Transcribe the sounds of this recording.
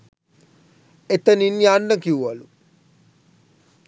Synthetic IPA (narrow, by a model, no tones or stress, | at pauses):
et̪əninjaːnːəkiuʋalu